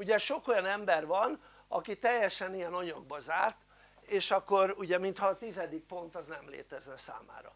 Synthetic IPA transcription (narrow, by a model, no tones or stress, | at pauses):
uɟɛʃo̞kojɒnɛmbɛrvɒn | ɒkit̪ɛjːɛʃɛnijɛnɒɲɒɡ̚bɒzaːrt̪ | eːʃɒkːo̞ɾuɟɛmint̪hɒːt̪izɛd̪ik̚po̞nt̪ɒznɛmlḛːt̪ɛznɛsa̰ːma̰ːɾɒ̰